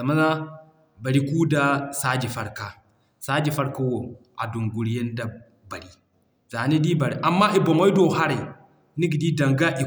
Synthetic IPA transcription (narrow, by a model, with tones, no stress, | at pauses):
za˨ma˦na˦ | ba˨ɾi˦ku˦da˨saː˦d͡ʒi˨fɐ˦ɾka˨ | saː˦d͡ʒi˨fa˦ɾka˦wo˨ʔa˨du˨ŋɡʷu˨ɽjɐ˦nda˨ | bɐ˨ɽi˦ | za˨ne˦di˦ba˨ɾi˨˦ʔa˨mːa˦ʔi˨bo˨ma˦jdo˨ɦa˦ɾe˨ | ni˦ɡdi˦da˨ŋɡa˦ʔi˨